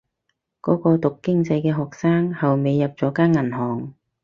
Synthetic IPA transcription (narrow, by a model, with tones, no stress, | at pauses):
kɔː˨˥kɔː˧t̪ʊ˨kːɪ˥ŋt͡sɐ˧jkɛː˧ɦɔː˨k̚saː˥ŋhɐ˨wme˨jːɐ˨p̚t͡sɔː˨˥kaː˥nŋːɐ˨˩nhɔː˨˩ŋ